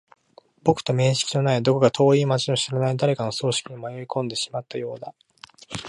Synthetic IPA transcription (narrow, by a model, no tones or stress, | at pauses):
b̥o̞kɯ̟̥t̪o̞mẽ̞ɰ̃ɕi̥kʲino̞naid̪o̞ko̞ɡat̪ʰo̞ːiːmat͡ɕino̞ɕiɾanaid̪aɾe̞kano̞so̞ːɕi̥kʲiɲomajo̞ɾʲikõ̞nd̪e̞ɕi̥mat̪ːajo̞ːd̪a